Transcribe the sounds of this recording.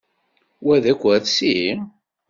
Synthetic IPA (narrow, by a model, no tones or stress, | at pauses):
wæðækʷːæθsi